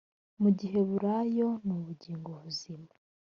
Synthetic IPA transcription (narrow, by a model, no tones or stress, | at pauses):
muɟiɦe̞βuɾajo̞nuβuɟiːŋɡo̞βuzima